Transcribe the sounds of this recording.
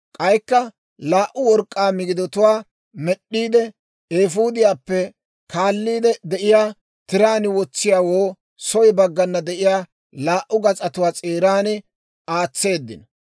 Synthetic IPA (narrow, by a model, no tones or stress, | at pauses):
kʼɐjkːɐ | laːʔʊwɔɾkʼːaːmɪɡɪd̪ɔt̪ʊwaː | mɛɗːiːd̪ɛ | eːfuːd̪ɪjaːpːɛ | kaːlːiːd̪ɛd̪ɛʔɪjaː | t̪ɪɾaːnɪwɔt͡sːɪjaːwoː | sɔjbɐɡːɐnːɐd̪ɛʔɪjaː | laːʔːʊɡɐt͡sʼɐt̪ʊwaːt͡sʼeːɾaːnɪ | aːt͡sːe̞ːd̪ːɪnɐ